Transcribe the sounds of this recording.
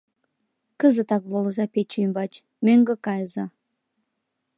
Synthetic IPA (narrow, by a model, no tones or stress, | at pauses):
kəzə̆t̪ɑk̚βolˠəzɑpet͡ɕujmbɑt͡ɕ | møŋɡə̆kɑjəzɑ